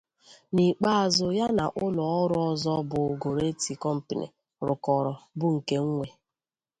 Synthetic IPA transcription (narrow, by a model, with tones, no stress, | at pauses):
ni˨k͡pa˦a˨zʊ˦ja˦na˨ʔʊ˦lɔ˨ɔ˦ɾʊ˦ɔ˦zɔ˦bʊ˨ɡo˨ɾe˦ti˨kɔ˦m̩˨pɪ˨nḭ˨ | ɾʊ˨kɔ˨ɾɔ˨bʊ˦ŋ̩˨ke˦ŋ̩˦ŋʷe˨